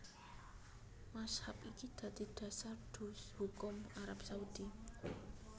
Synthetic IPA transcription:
mashapikid̪̥ä̤d̪̥i̤d̪̥ä̤sarɖ̪̥ṳshukʊmaɾapsaud̪̥i

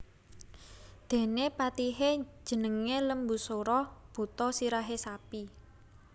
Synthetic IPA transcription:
d̪̥e̤nepat̪iɦe̥ʒ̥ə̤nəŋeləmbṳsoɾɔb̥o̤t̪ɔsiɾaɦesapi

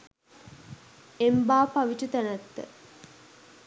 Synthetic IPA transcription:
embaːpaʋit͡ʃut̪ænət̪ːə̰

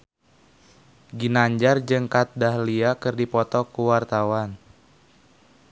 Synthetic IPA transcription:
ɡinaɲd͡ʒard͡ʒɨŋkat̪̚dahliakɨrdipɔt̪ɔkuwart̪awan

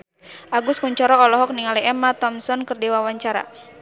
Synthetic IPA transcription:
ʔaɡuskuɲt͡ʃɔɾɔːlɔɦɔk̚niŋaliɛmat̪ɔmsɔnkɨrdiwawaɲt͡ʃaɾa̰

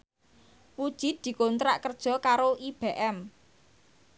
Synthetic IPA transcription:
pud̥ʒ̥i̤t̪̚d̪̥i̤kont̪ɾaʔkərd̥ʒ̥ɔ̤kaɾoib̥eʔɛm

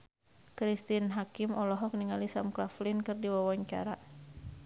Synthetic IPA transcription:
kɾist̪inɦakɪmʔɔlɔɦɔk̚niŋalisamklaflinkɨrdiwawaɲt͡ʃa̰ɾa

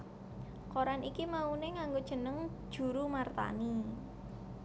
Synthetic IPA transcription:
koɾanikimauneŋaŋɡod̥ʒ̥ə̤nəŋd̥ʒ̥ṳɾumart̪a̰ni

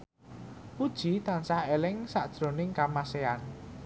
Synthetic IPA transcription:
pud̥ʒ̥i̤t̪ansahelɪŋsaʔd̥ʒ̥ɾo̤nɪŋkamasean

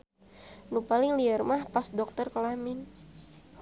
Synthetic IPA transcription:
nupalɪŋliarmahpasdɔk̚t̪ərkəlamɪn

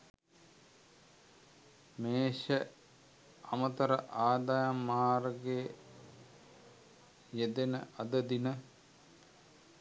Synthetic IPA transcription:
meːʃə | ɐmət̪ɐɾə̰ʔaːd̪ajamːaːɾəɡe | jed̪enəʔɐd̪əd̪inə

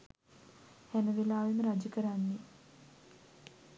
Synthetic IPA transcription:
hænəʋelaːʋeməɾad͡ʒəkəɾanːe

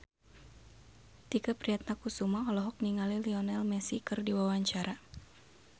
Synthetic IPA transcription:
d̥ikapɾiat̪̚nakusumaɔlɔɦɔk̚niŋaliliɔnɛlmɛsikɨrdiwawaɲt͡ʃaɾa

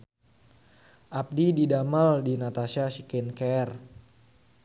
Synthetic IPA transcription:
ʔap̚dididamaldinat̪asiasikɛnkɛr

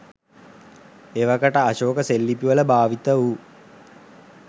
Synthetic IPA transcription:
eʋakəʈəaʃoːkəselːipiʋələbaːʋit̪əu

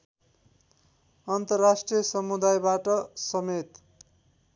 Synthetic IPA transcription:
ʌnt̪ʌrːasʈrijʌsʌmud̪ajbaʈʌsʌmet̪

